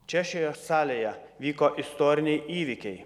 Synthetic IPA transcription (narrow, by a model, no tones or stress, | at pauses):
t͡ʃʲæːʃʲejoːsɑːlʲejɛʋʲiːkoːʔɪst̪oːɾʲɪnʲɛɪʔiːʋʲɪkʲɛɪ